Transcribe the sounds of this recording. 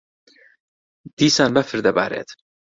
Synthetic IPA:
d̪̥iːsaːnbɐfɨɾd̪ɐba̰ːɾḛːt̪

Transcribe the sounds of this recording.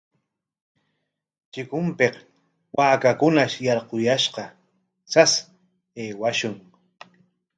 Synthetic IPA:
t͡ʃɪkʊmpeq | waːkakʊnaʃjɑɾqojaʃqɑ | t͡sas | eːwaʃʊŋ

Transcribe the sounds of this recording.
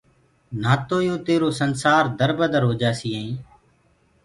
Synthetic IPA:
naːt̪oːjoːt̪eːɾoːsənsaːɾd̪əɾbəd̪əɾɦoːd͡ʒaːsiːɦẽĩː

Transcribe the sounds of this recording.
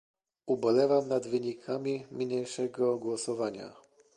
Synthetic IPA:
ubɔlɛvamnad̪vɘɲikʰamʲimʲɲejʂɛɡɔɡwɔsɔvaɲa̰

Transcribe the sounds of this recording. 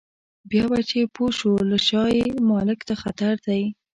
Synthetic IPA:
bjɑbat͡ʃepoʃolaʃɑjemɑlɪkd̪axat̪aɾd̪aj

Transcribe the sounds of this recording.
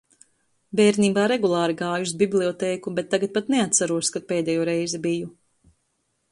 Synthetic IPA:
bɛːɾniːbaːɾɛɡulˠɑːɾiɡɑːjusbiblʲˠiɔt̪ɛːkubɛt̪ːaɡat̪̚pat̪nɛat̪saɾuɔskat̪̚peːd̪ɛjuːɾɛjzɛbiju

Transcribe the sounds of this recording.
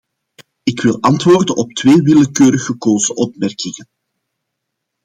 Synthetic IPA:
ɪkʋɪlˠɑntʋoːrdənʔɔp̚tweːʋɪləkøːɾəɣəkoːzəʔɔpmɛrkɪŋən

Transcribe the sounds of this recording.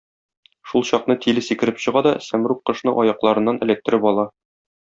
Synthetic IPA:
ʃulˠɕɒqnɤt̪ʰilɘsikɘ̆ɾɘpɕɤ̆ʁɑd̪ɒsæmɾuqqːɤ̆ʃnɤʔɒjɑqlˠɑɾɤ̆nːɑnʔɘ̆læt̪ːɘ̆ɾɘpɒlˠɑ

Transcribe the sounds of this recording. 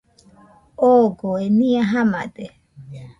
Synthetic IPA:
oɡoenĩaɦama̰d̪e

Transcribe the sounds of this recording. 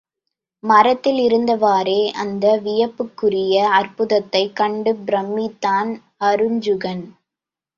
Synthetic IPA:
mɐɾɐt̪ːɪlɪɾɯnd̪ɐʋaːɾeːʔɐnd̪ɐʋɪjɐpːɯkːɯrɪjɐɐrpɯðɐt̪ːɐɪkːɐɳɖɯbɾɐmːɪt̪ːaːn | hɐɾɯɲd͡ʒɯɣɐn

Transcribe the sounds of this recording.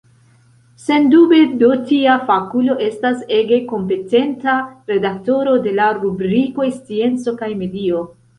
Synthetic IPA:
se̞ndube̞dotiafakulo̞ʔe̞stase̞ɡe̞ko̞mpe̞te̞ntaɾe̞dakto̞ɾode̞laɾubɾiko̞est͡sie̞nt͡so̞kajme̞dio̞

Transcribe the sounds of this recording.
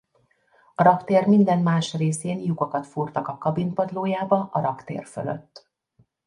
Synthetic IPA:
ɒɾɒkt̪eːrmind̪ɛnmaːʃreːseːnjuɡokɒt̪furt̪ɒkɒkɒbinpɒd̪loːjaːbɒʔɒɾɒkt̪ḛːrfø̰lø̰t̪ː

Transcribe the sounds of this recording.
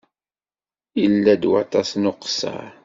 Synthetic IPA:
ilːæd̪wɑt̪ˤɑsnʊqsːə̰ɾ

